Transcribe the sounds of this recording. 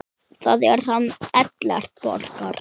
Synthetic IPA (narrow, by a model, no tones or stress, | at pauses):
θaðɛɾ̥hanːɛt̪lɛ̰r̥t̪̚pɔ̰ɾkaɾ